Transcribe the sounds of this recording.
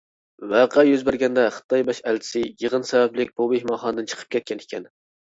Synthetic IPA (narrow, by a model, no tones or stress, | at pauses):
væqʰæjyzbæɾɡʲɛnd̪ɛχə̥t̪ʰːɑjbɑʃælt͡ʃʰɪ̥sɪjəʁənsɛvɛplɪkʲbubehmɑχɑnɨd̪ɨnt͡ʃʰə̥qʰə̥p̚kʲʰɛt̪̚kʲɛnɪkʲʰɛn